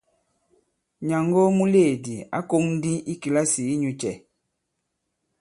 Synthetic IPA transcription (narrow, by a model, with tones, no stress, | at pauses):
ɲa˨ŋɡo˦mu˦le˦˨di˨a̰˨˦ko˦mdi˦i˦ki˨la˦si˨˦ɲu˨t͡ʃɛ˨